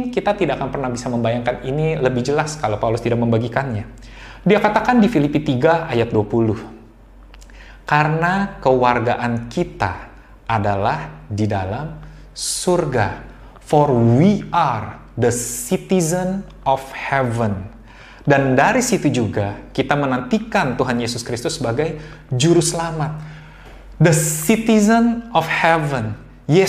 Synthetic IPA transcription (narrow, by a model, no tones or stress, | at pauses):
nkit̪at̪idaʔakanpərnahbisaməmbajaŋkaniniləbɪhd͡ʒəlaskalawpaulʊst̪idak̚məmbaɡikanɲa | diakat̪akandifilipit̪iɡaajat̪̚duapulʊh | kaɾənakəwarɡaʔankit̪a̰ː | dalahdidalam | surɡa | fɔrwiar | d̪əsit̪izən | ɔfhɛvən | dandaɾisit̪ud͡ʒuɡakit̪amənant̪ikant̪uɦanjesʊskɾist̪usːəbaɡajd͡ʒuɾusəlamat̪̚ | d̪əsit̪izənɔfhɛvən | je